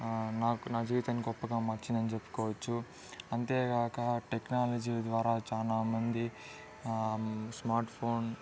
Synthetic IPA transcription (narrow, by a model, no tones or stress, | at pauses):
naːkunaːd͡ʒit̪ɐnːiɡɔpːɐɡaːmɐɾt͡ʃind̪ɐnit͡ʃepːu̥kɔːʋɐt͡ʃːu | ɐnt̪eːɡaːkɐʈeknaːlɐd͡ʒiːd̪ʋaːɾaːt͡ʃaːlaːmɐnd̪i | smaːɾʈpʰoːn